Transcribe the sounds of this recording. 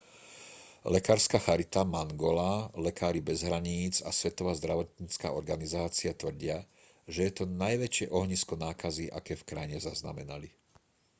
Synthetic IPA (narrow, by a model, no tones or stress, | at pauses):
lɛkaːɾskaːxaɾit̪amaŋɡɔlaːlɛkaːɾibɛzɦɾaɲiːd͡za̰sʋɛt̪ɔʋaːzd̪ɾaʋɔt̪̚ɲiːt͡ska̰ːɔɾɡanizaːt͡siat̪ʋr̩ɟɪa | ʒɛjɛt̪ɔnajʋɛt͡ʃɪɛʔɔɦɲiskɔnaːkaziʔa̰kɛːfkɾajɲɛzazna̰mɛnali